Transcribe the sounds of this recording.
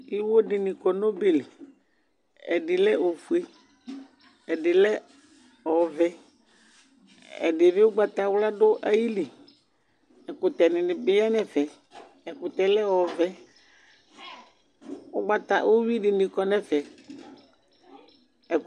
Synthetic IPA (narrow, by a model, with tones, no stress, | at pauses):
i˦wo˦dɪ˨nɪ̃˨kɔ˨no˦be˨li˨ | ɛ̰˨ɖɪ˨lɛ˦o˨fu˨˦e˦ | ɛ˨dɪ˨lɛ˦ | ɔ˨vɛ˦ | ɛ̰˨dɪ˨vɪ˦ʊ˦ɡ͡ba˨t̪a˨wla˦ɖʊ˦ʔa˦ji˦li˨ | ɛ˨kʊ˨t̪ɛ˨nɪ˨nɪ˨bɪ˦ja˦nɛ˨fɛ˨ | ɛ˨kʊ˨t̪ɛ˨lɛ˦ɔ˨vɛ˦ | ʊ˦ɡ͡ba˦t̪a̰˨ʔo˦wi˦ɖɪ˨nɪ̃˨kɔ˨nɛ˦fɛ˨ | ɛ˨